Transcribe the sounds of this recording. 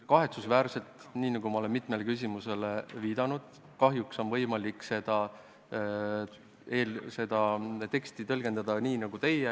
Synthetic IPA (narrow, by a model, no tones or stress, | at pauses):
kɑɦe̞t̪susvæːɾse̞lt̪ˑniːnɑɡ̥umɑo̞le̞nmit̪ˑme̞lekys̬ʲimuse̞leviːd̪̥ɑnud̪̥ | kɑɦjukso̞nvɤ̞jmɑlikˑse̞d̪̥ɑ | eːlse̞d̪̥ɑt̪e̞kst̪it̪ɤlɡ̥e̞nd̪̥ɑd̪̥ɑniːnɑɡ̥ut̪e̞je